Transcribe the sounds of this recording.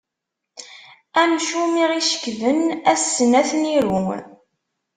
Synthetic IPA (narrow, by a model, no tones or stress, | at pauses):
æmʃumiʁiʃə̥kðənæsːənæθniɾṵ